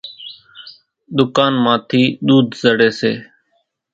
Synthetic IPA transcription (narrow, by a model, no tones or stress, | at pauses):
ɗ̪ʊkaːnmãːt̪ʰiːɗ̪uːd̪zəɽeːsḛː